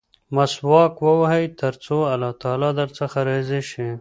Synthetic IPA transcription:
maswɑkwəwaɦajt̪əɾt͡soalɑt̪ɑlɑd̪əɾt͡səxaɾezeʃi

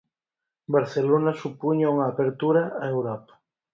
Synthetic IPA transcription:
baɾθelonɐsupuɲauŋɐːpeɾt̪uɾɐaewɾɔpɐ̥

